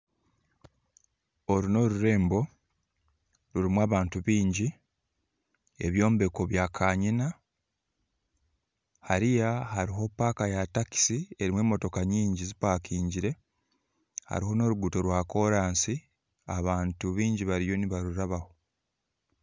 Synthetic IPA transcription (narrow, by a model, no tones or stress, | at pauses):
o̞ɾuno̞ɾuɾe̞ːmbo̞ | ɾuɾimwaːβaːntuβiːɲɟi | ḛβjo̞ːmbe̞ko̞βjakʰaːɲina | haɾijahaɾiɦo̞pːaːkajataki̥sie̞ɾimwe̞ːmːo̞to̞kaɲiːɲɟizipaːkʰiːɲɟiɾe̞ | ha̰ɾiho̞no̞ːɾuɡuto̞ɾwako̞ɾaːnsi | aβaːntuβiːɲɟiβaɾijo̞niβaɾuɾaβaho̞